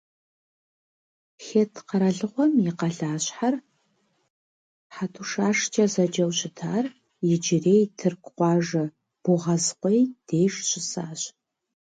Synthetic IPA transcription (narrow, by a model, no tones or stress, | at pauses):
xeːtʰqɐɾɐɮɨʁʷɔmjɪqɐɮaːɕħar | ħatʰuʂaːʂt͡ʃʰʼɐzɐd͡ʒɐwɕɪtʰaːr | jɪd͡ʒɪreːjtʰɨrkʷqʷɑːʒɐ | b̥ʊʁɐzqʷɔjd̥eːjʂɕʷʼɪsaːɕ